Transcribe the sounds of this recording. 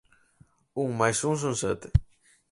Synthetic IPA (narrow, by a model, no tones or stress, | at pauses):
uŋmajsũŋs̬ũnset̪e̥